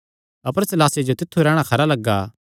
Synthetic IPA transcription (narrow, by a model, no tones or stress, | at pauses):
ɐpəɾsɛlaːsjed͡ʒot̪ɪt̪ʰːuɾɛːɽ̃akʰɐɾalɐɡːaː